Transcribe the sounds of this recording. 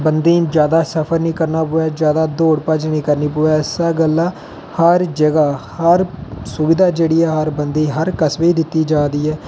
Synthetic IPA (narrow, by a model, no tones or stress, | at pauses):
bənd̪iːd͡ʒjaːd̪aːsəpʰəɾnĩːkəɾnaːpʊːɛːd͡ʒjaːd̪aːd̪oːɽpət͡ʃnĩːkəɾniːpʊːɛːɪsaːɡəlːaː | həɾd͡ʒəɡaːhəɾsʊbɪd̪aːd͡ʒeːɽiːɛːɦəɾbənd̪iːɦəɾkəsʋeiːd̪ɪt̪ːiːd͡ʒaːd̪iːɛː